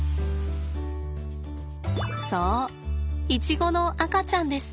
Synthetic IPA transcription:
soː | it͡ɕiɡo̞no̞ʔakat͡ɕãnd̪e̞sɨ̥

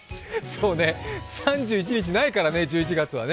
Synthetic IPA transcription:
soːne̞sãɲ̟d͡ʑɨːit͡ɕiɲ̟it͡ɕinaikaɾane̞d͡ʑɨːit͡ɕiɡat͡sɨβa̰n

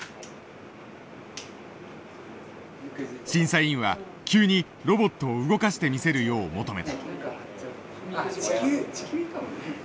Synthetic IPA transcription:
ɕĩɰ̃saiĩɰ̃βa | kʲɨːɲ̟i | ɾo̞bo̞t̪ːo̞ːɯ̟ɡo̞kaɕi̥t̪e̞mʲise̞ɾɯ̟jo̞ːmo̞t̪o̞me̞t̪a̰

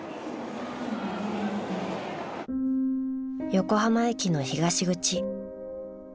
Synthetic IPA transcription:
jo̞ko̞ɦamaekʲino̞çiɡaɕiɡɯ̟t͡ɕi

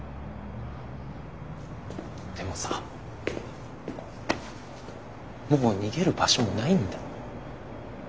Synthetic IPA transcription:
d̪̥e̞mo̞sa | moːɲ̟iɡe̞ɾɯ̟baɕo̞monaĩnd̪a

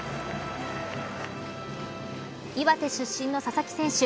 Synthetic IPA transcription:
iβat̪e̞ɕɨɕːĩnːo̞sasakʲi̥sẽ̞ɰ̃ɕɨ

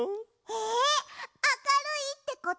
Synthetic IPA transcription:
he | akaɾɯit̪ːe̞ko

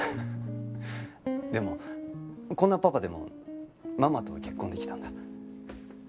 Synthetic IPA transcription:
d̪e̞mo̞ | kõ̞nːapapad̪e̞mo̞̰ | mamat̪oakʲe̞kːond̪eki̥t̪ãnd̪a

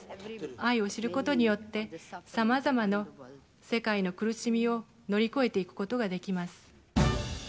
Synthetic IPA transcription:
aio̞ɕiɾɯ̟ko̞t̪o̞ɲ̟ijo̞t̪ːe̞samazamano̞ | se̞kaino̞kɯ̟ɾɯ̟ɕimʲio̞ | no̞ɾʲiko̞e̞t̪e̞ikɯ̟̥ko̞t̪o̞ɡad̪e̞kʲimasɨ̥

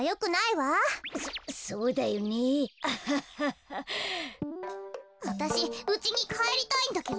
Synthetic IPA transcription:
jo̞kɯ̟naiβasso̞ːd̪ajoɲʲi | βat̪aɕiɯ̟t͡ɕiɲ̟ikʰaeɾʲit̪aĩnd̪aked̪o

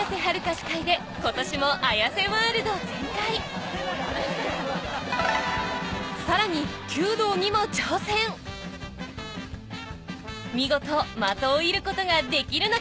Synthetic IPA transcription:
aseɦaɾɯ̟kaɕi̥kaid̪e̞ | ko̞t̪o̞ɕimo̞ʔajase̞maaɾɯ̟d̪ozẽ̞nk̪ai | saɾaɲ̟ikʲɨːd̪o̞ːɲ̟imo̞t͡ɕoːsẽ̞ŋ | mʲiɡo̞t̪omat̪o̞ːiɾɯ̟ko̞t̪o̞ɡad̪e̞kʲiɾɯ̟no

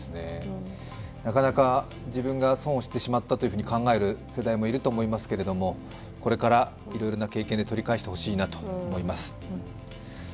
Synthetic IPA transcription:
sɨne̞ | nakanaka | d͡ʑibɯ̟̃ŋɡasõ̞ːoɕi̥t̪ːeɕimat̪ːat̪o̞jɯ̟ɯ̟ɲikãŋɡae̞ɾɯ̟se̞d̪aimo̞iɾɯ̟t̪o̞ːmo̞imasɨ̥ke̞ɾe̞d̪o̞mo̞ | ko̞ɾe̞kaɾa | iɾo̞jɾo̞nake̞ːkẽnd̪et̪o̞ɾʲikaeɕit̪eho̞ɕiːnat̪o̞̥ːmo̞imasɨ̥

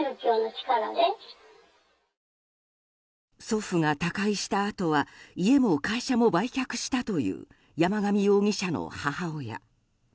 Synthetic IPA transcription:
ɾɯkʲoːnot͡ɕi̥kaɾad̪e | so̞ɸɯ̟ŋat̪akaiɕi̥t̪aːt̪o̞βaie̞mo̞kaiɕamo̞baikʲakɯ̟̥ɕi̥t̪at̪o̞jɯ̟̰ː | jamaɡamʲijo̞ːŋʲiɕano̞̰hahaoja̰

